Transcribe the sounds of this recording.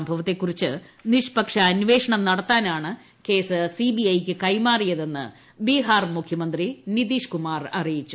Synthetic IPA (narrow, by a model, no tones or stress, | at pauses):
mbʱɐʋɐt̪ːe̞kːurit͡ɕːɨniʂpɐkʂɐːnʋe̞ːʂɐɳɐmnɐɽɐt̪ːaːnaːɳɨ | ke̞ːsɨsibiɐjkʲːɨkɐjmaːrijɐðe̞nːɨ̰ | biːɦaːrmukʰjɐmɐnd̪rinid̪iːʂkumaːrɐrijit͡ɕːu